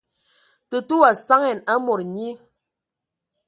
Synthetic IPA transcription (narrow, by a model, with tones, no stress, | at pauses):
tə˨tu˦wa˨sa˦ŋɛ˨na˦mɔ˨ɾɲi˦